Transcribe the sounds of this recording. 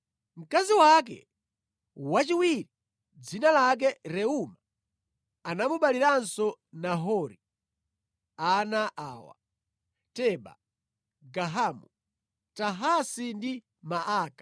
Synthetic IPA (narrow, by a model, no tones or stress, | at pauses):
m̩kaziwak̬ɛ̰ | wat͡ʃiwiɾi | d͡zinalak̬ɛɾɛuma | anamuɓaliɾansɔnaɦɔɾi | anaʔaːwa̰ | tɛɓa̰ | ɡaɦamu | taɦasindi | maʔaːkḁ